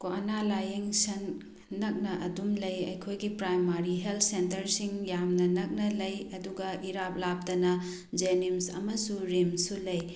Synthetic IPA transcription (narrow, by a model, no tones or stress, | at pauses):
koanalajeŋsɐnː | ɐk̚nɐʔɐdumlɐjɐ̰jkʰojɡipɾajmaɾiɦeltʰsentɐɾsiŋjamnɐnɐk̚nɐlɐjɐduɡɐʔiɾap̚lap̚tɐnɐ | d͡ʒenimsɐ̰mɐsuɾimsulɐj